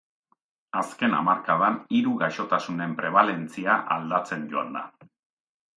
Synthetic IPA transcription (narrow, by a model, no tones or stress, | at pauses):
aske̞na̰maɾkaðaniɾuɣaʃo̞t̪asune̞mpɾe̞β̞ale̞nt͡siaʔald̪at͡se̞ɲd͡ʒo̞a̰nd̪a